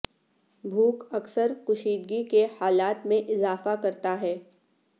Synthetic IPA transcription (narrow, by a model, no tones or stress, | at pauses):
bʱuːkɐksəɾkʊʃiːd̪̚ɡikehaːlaːt̪mẽʔɪzaːfakɐɾt̪aɦɛː